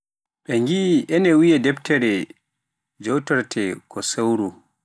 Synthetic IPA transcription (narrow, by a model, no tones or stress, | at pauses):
ɓɛŋɡiʔɛnɛwijɛdɛptɛɾɛ | d͡ʒowtɔɾtʰɛkʰɔsawɾu